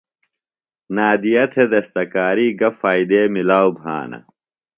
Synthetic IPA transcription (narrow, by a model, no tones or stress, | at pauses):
naːd̪ijɐt̪ʰed̪ɐst̪ɐkaːɾiːɡɐfaːid̪eːmilaːwbʱa̰ːnɐ̰